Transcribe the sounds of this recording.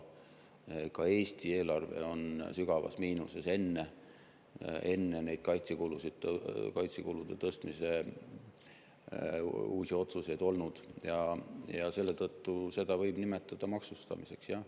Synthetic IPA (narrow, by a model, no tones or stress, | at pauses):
ekɑe̞ːst̪ie̞ːlɑrve̞̰o̞nsyɡ̥ɑvɑ̰smiːnusese̞nːe | e̞nːenejd̪̥̚kɑjt̪sikulusid̪̥kɑjt̪sikulud̪̥e̞t̪ɤst̪mise̞ | uːsio̞t̪suse̞jd̪̥o̞lnud̪̥jɑjɑse̞lːet̪ɤt̪ːuse̞d̪̥ɑvɤjb̥nime̞t̪ːˑɑd̪̥ɑmɑksust̪ɑ̰mise̞ksjɑ